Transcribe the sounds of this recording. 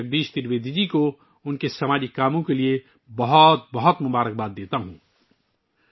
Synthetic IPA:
əɡ̚d̪iʃt̪iɾbed̪ʱid͡ʒiko | ʊnkesəmad͡ʒikːamõkelie | bəɦɔt̪̚bəɦɔt̪mubaɾək̚bad̪ːet̪aɦũ

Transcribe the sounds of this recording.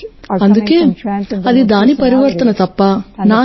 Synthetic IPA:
ɐnd̪ukeːɐd̪id̪aːnipɐɾiʋɐɾt̪ɐnɐt̪ɐpːanaː

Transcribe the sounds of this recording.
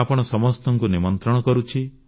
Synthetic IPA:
apɔɽ̃ɔsɔmɔst̪ɔŋkunimɔnt̪ɾɔɽ̃ɔkɔɾut͡ʃʰi

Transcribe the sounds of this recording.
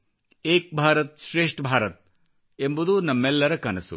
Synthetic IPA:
eːk̚bʱaːɾɐt̪̚ʃɾeːʂʈbʱaːɾɐt̪̚ | embud̪unɐmːɛlːɐɾɐkɐnɐsṵ

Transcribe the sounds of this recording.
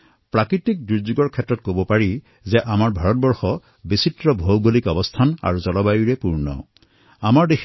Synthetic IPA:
pɹakɹitik̚diɹzuɡɔɹkʰɛtɹɔt̚kobɔpaɹi | zɛʔamaɹbʱaɹɔt̚bɔɹxɔ | bisitɹɔbʱowɡulikɔbɔstʰana̰ɹuzɔlɔbajuɹɛpuɹnɔ̰ | amaɹdexʰ

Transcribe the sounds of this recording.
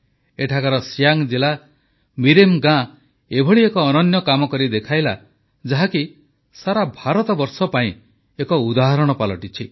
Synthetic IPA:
eʈʰakaɾɔsijaŋd͡ʒila | miɾemɡã | ebʱɔɭiekɔːnɔnjɔkamɔkɔɾid̪ekʰajla | d͡ʒaɦaki | saɾabʱaɾɔt̪ɔbɔɾsɔpaĩ | ekɔud̪aɦɔɾɔɽ̃ɔpalɔ̰ʈit͡ʃʰi

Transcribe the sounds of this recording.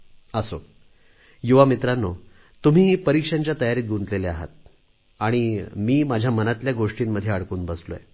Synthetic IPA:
əso | juʋamit̪ɾanːo | t̪um̤iːipəɾikʂaɲt͡ɕjat̪əjaɾiːt̪̚ɡunt̪leleaɦa̰t̪̚ | aɽ̃imiːmad͡ʑʱjamənat̪ljaɡoʂʈiːmːəd̪ʱːjeaɽkuːnbəslo̰jḛ

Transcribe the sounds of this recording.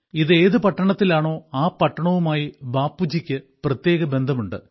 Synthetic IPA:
iðe̞ːðɨpɐʈːɐɳɐt̪ːilaːɳo̞ːaːpɐʈːɐɳɐʋumaːjibaːpːud͡ʑikʲːɨ | prɐt̪je̞ːɣɐbe̞nd̪ʱɐmuɳɖɨ̰

